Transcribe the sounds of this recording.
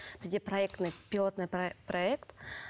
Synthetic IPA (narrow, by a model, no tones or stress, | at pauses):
vʲzʲdʲepɾɐɛkt̪nɨpʲɪlˠot̪nɨjpɾɐɛkt̪